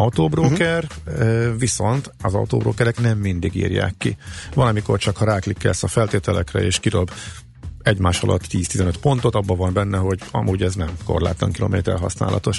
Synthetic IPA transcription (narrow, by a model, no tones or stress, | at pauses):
ɒut̪oːbroːkɛr | viso̞nt̪ɒzɒ̰ut̪oːbroːkɛɾɛknɛmːind̪iɡḭːrja̰ːkːivɒlɒmiko̞rt͡ʃɒkhɒɾaːklikːɛ̰lsɒfɛlt̪eːt̪ɛlɛkrɛ̰eːʃkid̪o̞b | ɛɟmaːʃɒlʔɒ̰t̪ːiːst̪izɛnøt̪po̞nt̪o̞t̪ɒbːɒvɒnbɛnːɛɦo̞ɟɒ̰mʔuːɟɛznɛmko̞̰rla̰ːt̪lɒ̰ŋkilo̞̰mḛːt̪ɛ̰rɦɒsna̰ːlʔɒt̪o̞ʃ